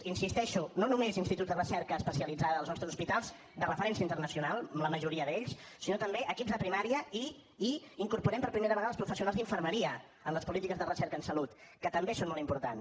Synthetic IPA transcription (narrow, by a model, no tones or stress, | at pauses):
insist̪ɛʃunonumezinst̪it̪ut̪d̪ərəsɛɾkəːspəsiəlid͡zaðəːlznɔst̪ɾəzuspit̪alˠz | d̪ərəfəɾɛnsiəint̪əɾnəsiunalˠmləməʒuɾiəðeʎssinot̪əmbeʔəkibzðəpɾimaɾiəi | iiŋkuɾpuɾɛmpəɾpɾimeɾəβəɣaðəlˠspɾufəsiunalzðiɱfəɾməɾiə | ənləspulit̪ikəzðərəsɛɾkənsəlut̪kət̪əmbesonmolˠimpuɾt̪an